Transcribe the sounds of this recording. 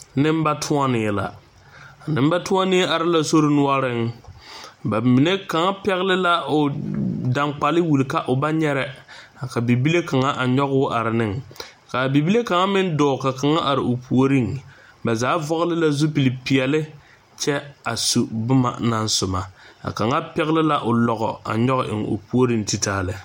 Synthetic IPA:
nɪ˦m˦ba˦tʰʊ˦a˦nɪː˨la̰˨ | nɪ˦m˦ba˦tʊ˦a˦nɪ˦a˨ɾɪ˦la˦so˦ɾɪ˦nʊ˦a˦ɾɪ˦ŋ | ba˨mi˨ne˦ka˨ŋa˦pɛ˦ɣɪ˦lɪ˦la˦ʊ˨da˨ŋk͡pa˨lɪ˦wu˨lka˦ʔʊ˨ba˦ɲɛ˦ɾɛ˨ | ka˨bi˨bi˦le˦ka˨ŋa˦ʔa˨ɲɔ˦ɣʊ˦ʔa˨ɾɪ˨nɪ˦ŋ | ka˨bi˨bi˦le˦ka˨ŋa˦mɪ˦n˦dɔː˨ka˨ka˨ŋa˦ʔa˨ɾɪ˨ʔʊ˨pʰu˨o˦ɾi˦ŋ | ba˨zaː˨˦vɔ˦ɣlɪ˦la˦zu˦pi˨li˨pi˨ɛ˨lɪ˦ | t͡ʃɛ˦a˨su˨bʊ˦ma̰˨na˦nsʊ˨ma˨a̰˨ka˨ŋa˦pɛ˦ɣlɪ˦la˦ʔʊ˨lɔ˨ɣɔ̰˨a̰˨ɲɔ˦ɣʔɪ̰˨ŋo̰˨pu˦o˦ɾi˦nti˨taː˦˨lɪ˨

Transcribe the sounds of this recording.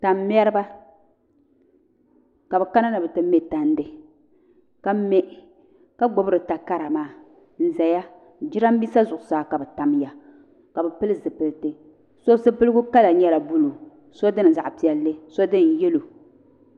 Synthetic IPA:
ta˨mː˦ɛ˦ɾɪ˦ba˦ | ka˨bɛ˨ka˦na˦na˨bɛ˨tɨ˦mɛ˦ta˨n˦dɨ˨ | ka˦mɛ˦ʔ | ka˦ɡ͡bo˨bɨ˦ɾɨ˨ta˨ka˦ɾa˨maː˦˨ | n̩˨za˨ja˦ | d͡ʒi˦ɾa˦m˦bi˦sa˦zʊ˨ʔʊ˨saː˦ka˨bɛ˨ta˨mja˨ | ka˨bɛ˨pɨ˦lɨ˦zɨ˨pɨ˨lɨ˦tɨ˦ | so˦sɨ˦pɨ˦lɨ˦ɡʊ˦ka˦la˨ɲɛ˦la˨bu˦lu˨ | so˦dɨ˦n˨za̰˨ʔpi˨ɛ˨lːɨ˦so˦dɨ˦n˨jɛ˦lo˨

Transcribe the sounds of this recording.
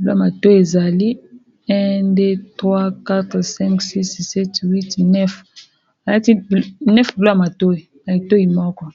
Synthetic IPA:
bi˨lo˦a˨ma˨to˦i˨e˨za˨li˦ | ɛ̃˦de˦tʁwa˦ka˦tʁsɛ˦ŋksi˦ssɛ˦twi˦tnɛ˦f | a˨la˦ti˦bnɛ˦fbi˨lo˦ja˨ma˨to˦i˨na˨i˨to˦i˨mɔ˦kɔ˦

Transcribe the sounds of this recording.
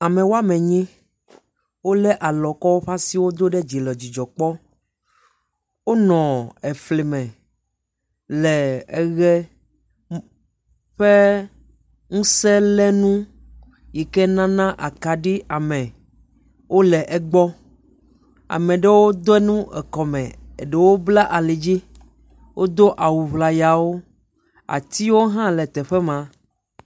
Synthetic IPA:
a˨mẽ˨wo˦a˦mɛ̃˨ɲĩ˦ | wo˦lɛ˦ʔa˨lɔ˨kɔ˦wo˦ɸa˦si˦wo˦d̪o˦ɖe˦d͡ʑi˨lɔ˨d͡ʑi˨d͡ʒɔ˨k͡pɔ˦ | wo˦nɔ̃˨ɛ˨fle˨mɛ̃˨ | lɛ˨ɛ˦ɣɛ˦ | ɸe˦ | ŋũ˦sɛ˦lɛ˦nũ˦ | ji˨kɛ˦nã˦nã˦ʔa˨ka˨ɖi˦ʔa˨mɛ̃˨ | wʔo˦lɛ˨ʔɛ˨ɡ͡bɔ˦ | a̰˨mɛ̃˨ɖe˦wo˦d̪o˦ɛ˦nũ˦ɛ̰˨kɔ˨mɛ̃˨e˨ɖe˨˦wo˦bla˦ʔa˨le˨d͡ʑi˦ | wʔo˦d̪o˦ʔa˨wu˨βla˨ja˨wo˦ | a̰˨t̪i˦wo˦ɦã˦lɛ˨t̪ɛ˨ɸɛ˦mã˨˦

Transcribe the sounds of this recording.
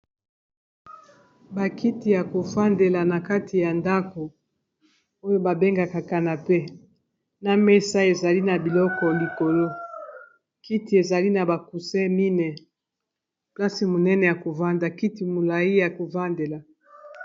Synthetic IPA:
ba˨kʰi˦ti˨ja˨ko˨fa˦nde˨la˨na˨ka˦tʰi˨ja˨nda˦ko˨ | o˦jo˦ba˨be˦ŋɡa˨ka˨ka˨na˨pe˦ | na˦me˦sa˦e˨za˨li˦na˨bi˨lɔ˦kɔ˨li˨ko˨lo˦ | ki˦ti˨e˨za˨li˦na˨ba˨ku˨sɛ˦mi˦nɛ˨ | pla˦si˨mo˨nɛ˦nɛ˨ja˨ko˨va˦nda˨ki˦ti˨mo˨la˨i˦ja˨ko˨va˦nde˨la˨

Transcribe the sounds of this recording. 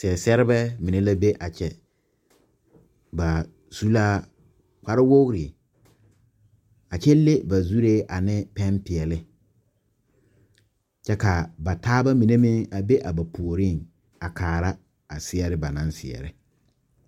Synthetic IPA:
sɛ˨sɛ˦ɾɪ˦bɛ˦mɪ˨ne˦la˦be˦ʔa˨t͡ʃɛ˨ | ba˨ | su˦la˦ | kʷa˦ɾɪ˦wo˦ɣɾi˨ | a˨t͡ʃɛ˦le˦ba˨zu˦ɾe˦ʔa˨nɪ˦pɛ˦mpɪ˨ɛ˨lɪ˦ | t͡ʃɛ˦ka˨ba˨taː˦ba˦mɪ˨ne˦mɪ̃˦ŋa˨be˦ʔa˨ba˨pʰu˨o˨ɾɪ˦˨ŋ | a˨kʰaː˨ɾa˦ | a˨sɪ˦ɛ˦ɾɪ˦ba˨nã˦nsɪ̰˨ɛ̰˨ɾɪ˦

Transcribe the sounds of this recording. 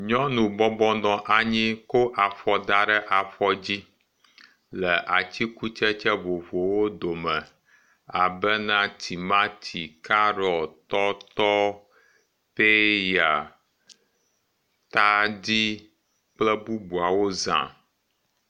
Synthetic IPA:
ɲɔ̃˦nũ˨bɔ˦bɔ̃˦dɔ̃˦ʔa˨ɲĩ˦ko˦ʔa˨fɔ˨d̪a˦ɖɛ˦ʔa˨fɔ˦d͡ʑi˦ | lɛ˨ʔa˨t͡ɕi˦ku˦t͡ʃɛ˦t͡ʃɛ˦vo˨vo˨wo˦d̪o˨mɛ̃˨ | a˨bɛ˦nã˦t̪ʰi˨mã˦t̪ʰi˨ka˦ɾɔ˨t̪ɔ˦t̪ɔ˦ | pe˦ja˨ | t̪a˦di˦ | k͡plɛ˦bu˦bu˨a˨wo˦zã̰˨

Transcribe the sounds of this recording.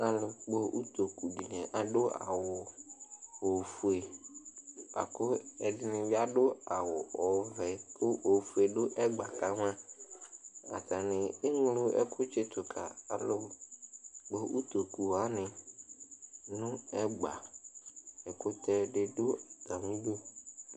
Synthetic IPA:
a˨lʊ˨k͡po˦ʔu˦t̪o˨ku˨di˨nɛ̃˨ʔa˨ɖʊ˦a̰˨wʊ˨ | o˨fu˨e˨ | a̰˨kʊ˦ɛ˨dɪ˦nɪ̃˨vɪ˦a˦dʊ˦a˨wʊ˨ɔ˨vɛ˨k͡pʊ˦ʔo˨fu˨e˨ɖʊ˦ʔɛ˦ɡ͡ba˨ka˨mã˦ | a̰˨t̪a˨nɪ̃˨e˦ŋ˦lu˦ɛ̰˦kʰʊ˦t͡ʃɪ˦t̪ʊ˨kʰa̰˨a˨lo˦ | ɡ͡bo˦u˦t̪o˨ku˨wa˨˦nɪ̃˨ | nʊ̃˦ɛ˦ɡ͡ba̰˨ | ɛ˨kʊ˦t̪ɛ˦ɖɪ˦ɖʊ˦da˨mũ˦ɖo˦

